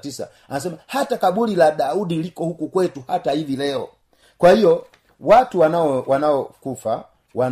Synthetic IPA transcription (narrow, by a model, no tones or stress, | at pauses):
tisa̰ | anasɛmahatakaɓulilaɗaudilikɔhukukwɛtuhatahivilɛɔ̰ | kwahijɔ | watuwanaɔwanaɔkufa | wa